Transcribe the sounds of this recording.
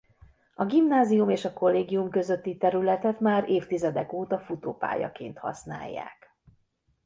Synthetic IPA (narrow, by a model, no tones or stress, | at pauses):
ɒɡimnaːzijumeːʃɒko̞lːeːɡijumkø̞zø̞t̪ːit̪ɛɾylɛt̪ɛt̪maːɾeːft̪izɛd̪ɛkoːt̪ɒfut̪o̰ːpa̰ːjɒ̰keːnt̪hɒ̰sna̰ːjːa̰ːk